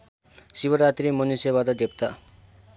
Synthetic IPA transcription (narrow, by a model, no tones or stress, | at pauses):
sibʌɾat̪ɾimʌnisebad̪ʌd̪ep̚t̪a